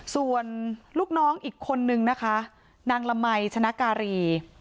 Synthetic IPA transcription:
su˨˩ənluː˥˩k̚nɔː˦˥ŋʔiː˨˩kʰːo˧nːɯ˧ŋna˦˥kʰa˦˥ | naː˧ŋla˧ma˧jt͡ɕʰa˧na˦˥kaː˧ɾiː˧

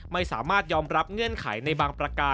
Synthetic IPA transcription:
ma˥˩jsa̰ː˩˦maː˥˩t̪̚jɔː˧mɾa˦˥p̚ŋɯ˥˩ənkʰa̰˩˦jna˧jbaː˧ŋpɾa˧kaː˧

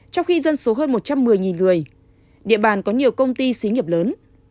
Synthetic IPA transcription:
t͡ɕɔ˧wŋ͡mxi˧zə˧nso˨˦ɦəː˧nmo˨˩t̚t͡ɕa˧mːɨ˨˩əjŋi˨˩nŋɨ˨˩əj | ɗḭ˧˨əɓaː˨˩nkɔ˨˦ɲi˨˩əwkə˧wŋ͡mt̪i˧si˨˦ɲi˨˩əp̚ləː˨˦n

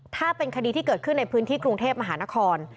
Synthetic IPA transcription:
t̪ʰaː˥˩pe˧nkʰa˧diː˧t̪ʰiː˥˩kɤː˨˩kʰɯ˥˩nːa˧jpʰɯː˦˥nt̪ʰiː˥˩kɾu˧ŋt̪ʰeː˥˩p̚ma˧ɦaː˩˦na˦˥kʰɔː˧n

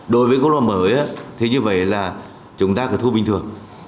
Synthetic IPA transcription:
ɗo˨˧˩jvəː˨˦ko˧˦˥k̚laː˨˩məː˨˦jʔaː˨˦t̪ʰe˨˦ɲɨ˧və̰˧˨jlaː˨˩ | t͡ɕʊ˨˦ŋ͡mt̪aː˧kaː˨˧˩t̪ʰɓï˨˩ŋt̪ʰɨ˨˩ə˩ŋ

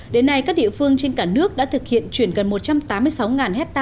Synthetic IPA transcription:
ɗe˨˦nːa˧jkaː˦˥k̚ɗḭ˧˨fɨ˧əŋt͡ɕe˧nkaː˧˩nɨ˦˥ək̚ɗa̰ː˧˥t̪ʰɨ˨˩k̚hḭ˧˨ənt͡ɕwi˧˩ənɣə˨˩nmo˨˩t̚t͡ɕa˧mt̪aː˨˦mːɨ˧əjsa˨˦wŋaː˨˩nhɛ˦˥t̚t̪aː˧

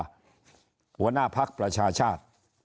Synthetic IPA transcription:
hu˧˩˦ɐ˦naː˥˩pʰa˦˥k̚pɾa˧t͡ɕʰaː˧t͡ɕʰaː˥˩t̪̚

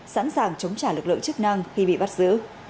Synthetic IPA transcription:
sa̰˧˥nsaː˨˩ŋt͡ɕə˨˦wŋ͡mt͡ɕaː˧˩lɨ˨˩k̚lɨ̰˧˨ŋt͡ɕɨ˦˥k̚na˧ŋxi˧ɓḭ˧˨ɓa˦˥t̚zɨ̰˧˥

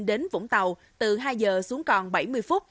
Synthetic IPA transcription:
nɗe˨˦nvʊ̰˧˥ŋ͡mt̪a˨˩w | t̪ɨ˨˩ɦaː˧jzəː˨˩su˨˦əŋkɔ˨˩nɓa˧˩jmɨ˧əjfʊ˦˥t̚

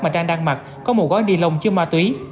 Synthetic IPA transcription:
maː˨˩t͡ɕaː˧ŋɗaː˧ŋma˨˩t̚ | kɔ˨˦mo˨˩ɣɔ˨˦jɗi˨˧˩lə˨˩wŋ͡mt͡ɕɨ˧əmaː˧˩t̪wi˨˦

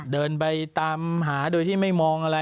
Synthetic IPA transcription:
dɤː˧np̬a˧jt̪aː˧mɦaː˩˦doː˧jt̪ʰiː˥˩ma˥˩jmɔː˧ŋʔa˧ɾa˧

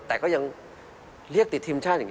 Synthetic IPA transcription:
t̪ɛː˨˩kɔː˨˦ɲə˧ŋ | li˦˥ək̚t̪i˨˩t̪ʰi˧mt͡ɕʰaː˦˥ə˨˩

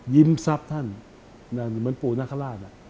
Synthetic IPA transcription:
ji˧˥msa˦˥p̚t̪ʰa˥˩n | na˧˩n˨˩mɯː˨˦ənpuː˨˩na˦˥˩kʰa˧laː˥˩na˧˩

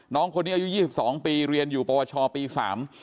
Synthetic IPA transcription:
nɔː˦˥ŋkʰo˧nːiː˦˥ʔa˧ju˦˥jiː˥˩i˨˩p̚sɔː˩˦ŋpiː˧ɾi˧ənjuː˨˩pɔː˧aː˧t͡ɕʰɔː˧piː˧sa̰ː˩˦m

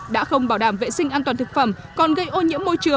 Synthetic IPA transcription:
ɗa̰ː˧˥xə˧wŋ͡mɓaː˧˩wɗaː˧˩mvḛ˧˨sï˧ŋ̟ʔaː˧t̪waː˨˩nt̪ɨ˨˩k̚fə̰˧˩mkɔ˨˩nɣə˧jʔo˧ɲḭ˧˥əmːo˧jt͡ɕɨ˨˩ə

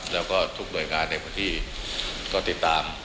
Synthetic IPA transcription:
lɛː˦˥wkɔː˥˩t̪ʰu˦˥k̚du˨˩jkaː˧nːa˧jpʰɯː˧˥nt̪ʰiː˥˩kɔː˥˩t̪i˨˩t̪ːaː˧m

